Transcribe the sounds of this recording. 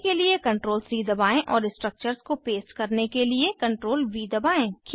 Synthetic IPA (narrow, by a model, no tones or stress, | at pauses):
keliekɐ̃ɳʈɾoːlsiːd̪ɐbaːẽʔɔːɾɪsʈɾək̚t͡ʃəɾskopeːskɐɾnekeliekɐ̃ɳʈɾoːlʋiːd̪ɐbaːẽːkʰ